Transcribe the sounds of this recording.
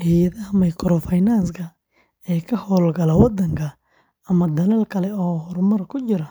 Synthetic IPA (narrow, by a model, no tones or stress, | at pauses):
hiːjɐðɐɦɐmɐjkʰɔɾɔfɐjnanskʰɐ | ɛːkʰɐhɔːlɡɐlɐwɑd̪ɐŋkʰɐ | ɐmɐd̪ɐlɛːlkʰɐlɛɔːɦɔrmɐrkʰʊt͡ʃɪɾɐ